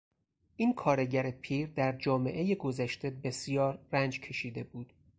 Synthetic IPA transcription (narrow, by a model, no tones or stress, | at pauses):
ʔiːnkʰɒːɾe̞ɟæɾe̞pʰiːɾd̪æɾd͡ʒɒːme̞̰ʔe̞jeɡo̞zæʃt̪e̞be̞sjɒːɾːænd͡ʒcʰe̞ʃiːd̪e̞buːd̪̥